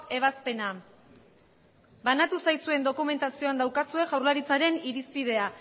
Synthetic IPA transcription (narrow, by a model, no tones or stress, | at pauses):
e̞β̞aspe̞na | banat̪usajsue̞nd̪o̞kume̞nt̪asio̞and̪awkasue̞ʝawɾlaɾit͡saɾe̞niɾispið̞e̞a